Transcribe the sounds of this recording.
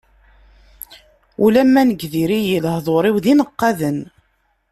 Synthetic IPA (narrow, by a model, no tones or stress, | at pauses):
ulæmːænəɡðiɾijəlhðˤoɾˤiwðinəqːɑðən